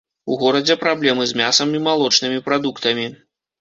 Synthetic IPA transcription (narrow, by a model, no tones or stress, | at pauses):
uɣɔɾɐd͡zʲɛpɾablʲɛmɨzʲmʲasɐmʲimalˠɔt͡ʂnɨmʲipɾad̪ukt̪ɐmʲi